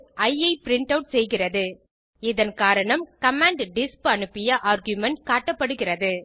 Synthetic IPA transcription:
ɐjɐɪpɪɾɪɳʈɐʊʈsɛjɣɪrɐðɯ | ɪðɐnkaːɾɐɳɐmkɐmaːɳɖɖɪspɐɳɯpːɪjɐʔaːɾɡjʊmɛɳʈ̚kaːʈːɐpːɐɽɯɣɪrɐðɯ

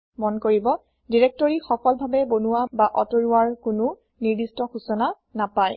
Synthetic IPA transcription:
mɔnkoɹibɔ | diɹɛk̚tɔɹixɔkɔlbʱabɛbonuwabaʔɔtoɹuwaɹkʊnʊ | niɹdistɔxusɔna | napaj

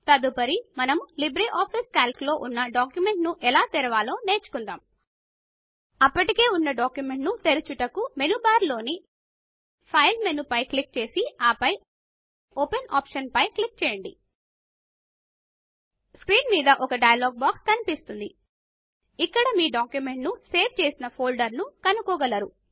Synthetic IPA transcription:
t̪ɐd̪upɐɾimɐnɐmulibɾiʔaːpʰiːskaːlklo̞ːʔunːɐɖaːkjume̞ɳʈnuʔɛlaːt̪ɛɾɐʋaːlo̞ːne̞ːt͡ʃu̥kund̪aːm | ɐpːɐʈike̞ːunːɐɖaːkjume̞ɳʈnut̪e̞ɾut͡ʃuʈɐkume̞nubaːɾlo̞ːni | pʰɐjlme̞nupɐjklik̚t͡ʃe̞ːsiaːpɐj | openaːpʂɐnpɐjklik̚t͡ʃɛːjɐɳɖḭ | skɾiːnmiːd̪ɐʔɔkɐɖɐjɐloːɡ̚baːkskɐnipist̪und̪i | ikːɐɽɐmiːɖaːkjume̞ɳʈnuse̞ːʋt͡ʃe̞ːsinɐpʰo̞ːlɖɐɾnukɐnukɔːɡɐlɐɾu

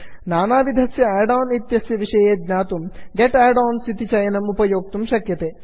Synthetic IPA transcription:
naːnaːʋid̪ʱɐsjɐɛːɾɖaːnit̪jɐsjɐʋiʂɐjeːd̪naːt̪umɡeʈɛːjɖɔːnsit̪it͡ʃɐjɐnɐmupɐjoːk̚t̪umʃɐkjɐt̪eː

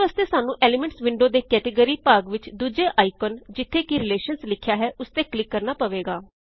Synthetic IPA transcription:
aːst̪eːsaːnũːʔɛːlɪmɛ̃ɳʈsʋɪɳɖoːd̪eːkɛːʈiːɡəɾiːpaːɡʋɪt͡ʃd̪uːd͡ʒeːʔaːikənd͡ʒɪt̪ʰːeːkiɾɪleːʃənslɪkʰːjaːɦɛːʊst̪eːklɪkːəɾnaːpəʋeːɡaː

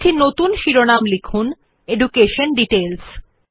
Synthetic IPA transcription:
tʰinot̪unʃiɾonamlikʰun | eɖukeʃonɖiʈels

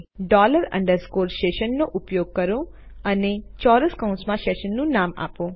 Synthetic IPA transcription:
ɖaːlɐɾɐ̰ɳɖɐɾskoːɾsʃʈeːʃɐnnuʔupɐjoːɡ̚kɐɾuɐnet͡ʃɔːɾɐskɐw̃nsmaːʃeːʃɐnːunaːma̰ːpu

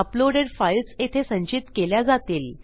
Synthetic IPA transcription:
əploɽeɖfailset̪ʰesə̃ɲt͡ɕit̪keljad͡zat̪iːl

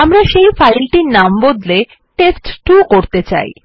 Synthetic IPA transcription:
amɾaʃejfajlʈiɾnambod̪le | ʈesʈʈukoɾt̪et͡ɕa̰j

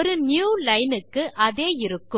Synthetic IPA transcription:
ɾɯnjuːlɐɪnɯkːɯʔɐðeːɪɾɯkːɯ

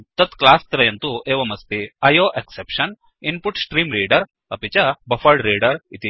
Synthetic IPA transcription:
t̪ɐt̪klaːst̪ɐɾɐjɐnt̪ueːʋɐmɐst̪iɐjoːʔeksepʂɐn | inpuʈsʈɾiːmɾiːɖɐɾ | ɐpit͡ʃɐbɐfɐɭɖɾiːɖɐɾit̪i

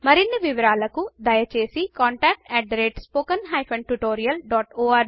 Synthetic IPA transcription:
mɐɾinːiʋiʋɐɾaːlɐkud̪ɐjɐt͡ʃe̞ːsikaːɳʈaːk̚ʈɛʈɾeʈspoːkɐnɦɐjpʰɐnʈuʈoːɾijɐlɖaːʈoːɐɾ

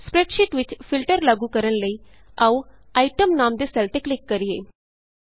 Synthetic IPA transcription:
spɾɛːʈʃiːʈʋɪt͡ʃpʰɪlʈəɾlaɡuːkəɾənləiː | auː | aːiʈəmnaːmd̪eːsɛlʈeklɪkːəɾieː

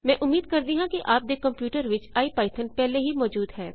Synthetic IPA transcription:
mɛ̃ːʔʊmːiːd̪̚kɐɾd̪iɦãkiʔaːp̚d̪ekɐ̃mpjuːʈəɾʋɪt͡ʃaːipaːɪt̪ʰənpɛɦleɦimɔːd͡ʒuːd̪ɦɛː

